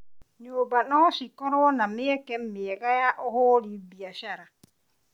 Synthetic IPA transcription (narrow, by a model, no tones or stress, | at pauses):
ɲoːbanɔsikɔɾonamɪɛkɛm̩mieɣajaʔʊhʊɾibiaʃaɾa